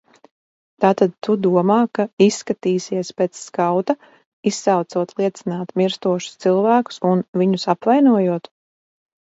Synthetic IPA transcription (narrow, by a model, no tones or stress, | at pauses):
t̪aːt̪ad̪̚t̪ud̪uɔmaːkaisːkat̪iːsiɛspet̪sːkawt̪a | isːawt̪suɔt̪lˠiɛt̪sinaːt̪miɾst̪uɔʃu̥st̪silˠvæːku̥sunviɲusapvajnuɔjuɔt̪